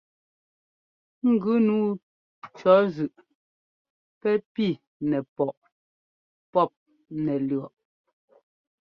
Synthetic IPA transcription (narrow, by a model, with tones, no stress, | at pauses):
ŋ̩˦˨ɡʉ˨˦nuː˦ | t͡ʃɔ˨˦zʉ˨ʔ | pɛ˦pi˦˨ | nɛ˨pɔ˨ʔ | pɔ˦˨p̚ | nɛ˨lɰɔ˨ʔ